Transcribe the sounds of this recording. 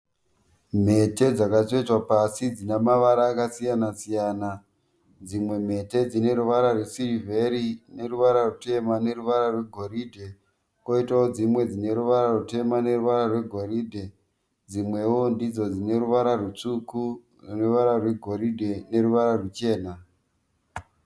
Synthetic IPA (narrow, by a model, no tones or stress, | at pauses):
m̤e̞te̞d͡zakazet͡swapasid͡zinemaʋaɾaːkasijanasijaːna | d͡zimwe̞m̤e̞te̞d͡zine̞ɾuʋaɾarwe̞sirivʱe̞ɾine̞ruʋaɾarute̞mane̞ruʋaɾarwe̞ɡʱo̞ɾiːdʱe̞ | ko̞itaod͡zimwe̞d͡zine̞ɾuʋaɾarute̞mane̞ruʋaɾarwe̞ɡʱo̞ɾiːdʱe̞ | d͡zimwe̞wondid͡zo̞d͡zine̞ɾuʋaɾarut͡suku | ruuʋaɾarwe̞ɡʱo̞ɾidʱe̞ne̞ruʋaɾarwut͡ʃe̞ːna